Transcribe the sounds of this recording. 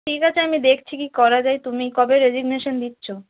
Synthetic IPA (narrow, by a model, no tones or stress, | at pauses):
ʈʰikat͡ɕʰeamid̪ekʰt͡ɕʰikikɔɾad͡ʑajt̪umikɔbeɾed͡ʑiɡneʃond̪itːɕʰo